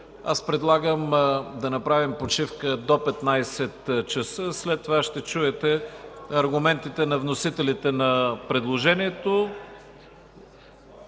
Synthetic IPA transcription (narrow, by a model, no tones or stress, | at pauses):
a̰spɾɛd̪lˠaɡəmd̪ɐnɐpɾavimpot͡ʃifkəd̪opɛt̪najsɛt̪t͡ʃɐsəslɛt̪ːovaʃt̪ɛt͡ʃuɛt̪ɛɐɾɡʊmɛnt̪it̪ɛnɐvnosit̪ɛlit̪ɛnɐpɾɛd̪lˠoʒɛniɛt̪o